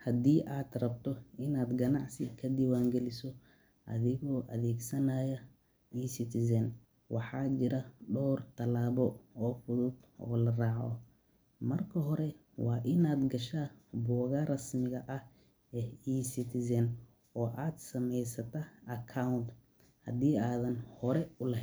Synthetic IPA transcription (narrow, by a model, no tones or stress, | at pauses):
hɐd̪iːʔaːd̪rɐbt̪ʰɔɪnaːd̪ɡɐnɑʕsɪkʰɐd̪iwaːŋɡɛlɪsɔ | ʔɐðɪɣɔːʔɐðɛːɡsɐnaːjɐ | iːsɪt̪ʰɪsɐn | wɑħɑːt͡ʃɪɾɐɖɔːrt̪ʰɐlaːβɔɔːfʊðʊd̪ʔɔ̰ːlɐrɑːʕɔ̰ | mɐrkʰɐɦɔɾɛ | wɑːʔɪnaːd̪ɡɐʃaːbɔːɣɐrɐsmɪɣɐʔɐh | ɛːiːsɪt̪ʰɪsɐn | ɔːʔaːd̪sɐmɛjsɐt̪ʰɐɐkʰaʊnt̪ | hɐd̪iːaːðɐnhɔɾɛʊlɐɦɛn